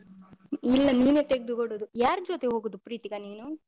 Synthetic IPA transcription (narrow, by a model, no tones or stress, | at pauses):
ilːɐniːneːt̪eɡ̚d̪ukoɽud̪ujaːɾd͡ʒoːt̪eɦoːɡod̪upɾiːt̪iɡɐniːnu